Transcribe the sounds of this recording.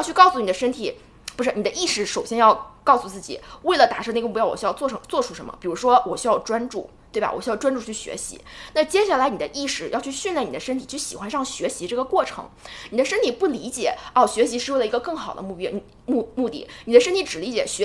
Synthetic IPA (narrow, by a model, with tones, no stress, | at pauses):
t͡ɕʰy˥˧kɑ˥˩ʊsu˧˩ni˨˩d̪ə˦ʂə˥nt̪ʰi˨˩˦ | pu˧˥ʂɻ̩˥˩n˨˩ə˦ʔi˥˩ʂɻ̩˧˩ʂo˨˩ʊɕjɛ˥njɑ˥˧ʊkɑ˥˧ʊsu˧t͡sɹ̩˥˩t͡ɕḭ˨˩we˥˩ɪlə˩t̪a˨˩ʂɤ˥˧n˥˧ɡə˧mu˥˧˩jɑ˥˩wɔ̰˨˩ɕjɑ˥˧ɔ˥˩˧t͡swɔ˥˧ʈ͡ʂʰu˥ʂə˧˥mə̰˧˩pi˨˩ɻu˧˥ʂwɔ˥wɔ˨˩ɕy˥jɑ˥˧ʊʈ͡ʂwa˥nʈ͡ʂṵ˥˩ | t̪we˥˩ɪba̰˩wɔ̰˨˩ɕy˥jʊʈ͡ʂwa˥nʈ͡ʂu˥˧˩t͡ɕʰy˥˩ɕɥɛ̰˧˥ɕḭ˧˥na˥˧t͡ɕjɛ˥ɕa˥˩la˧˥ɪni˨˩d̪ə˦ʔi˥˩ʂɻ̩˥˩jɑ˥˧ʊt͡ɕʰy˥˧ɕy˥˧nljɛ˥˩ni˨˩d̪ə˦ʂə˥nt̪ʰi˨˩t͡ɕʰy˥˩ɕi˨˩xwa˧˥nʂɑ˥˩ŋɕɥɛ˧˥ɕi˧˥ʈ͡ʂɤ˥˩ɡə˩kwɔ˥˩ʈ͡ʂʰɤ̰˧˥ŋni˨˩d̪ə˦ʂə˥nt̪ʰi˨˩pu˥˩li˧˥t͡ɕjɛ˨˩˦ɔ˥˩ɕɥɛ˧˥ɕi˧˥ʂɻ̩˥˧we˥˩ɪlə˩˧˥ɡə˧kɤ˥˩ŋxɑ˨˩ʊd̪ə̰˦mu˥˧pi˥˩ | mu˥˧mu˥˧t̪ḭ˥˩ni˨˩d̪ə˦ʂə˥nt̪ʰi˧˥ʈ͡ʂɻ̩˨˩li˧˥t͡ɕjɛ˨˩ɕɛ˧˥